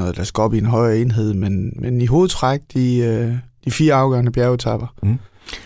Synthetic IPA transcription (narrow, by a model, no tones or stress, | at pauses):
ɔ̽ːð̩ˠd̥æsɡ̥əɒ̽b̥ienɦɒ̽ɪ̰ɐe̝nɦe̝ð̞̰ˠmenmeniɦo̝ːð̩ˠt͡sʰʁaɡ̥̚d̥iød̥ifiːɐɑ̈ʊɡ̥ɶɐnəb̥jæɐt͡sʰɑb̥ɐ